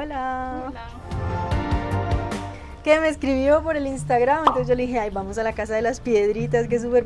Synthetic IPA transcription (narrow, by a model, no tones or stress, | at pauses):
la | keme̞ːskɾiβjo̞po̞ɾe̞linst̪aɣɾament̪osʝoleiheajbamo̞s̬alakas̬aðe̞laspje̞ðɾit̪̬ask̬es̬upeɾ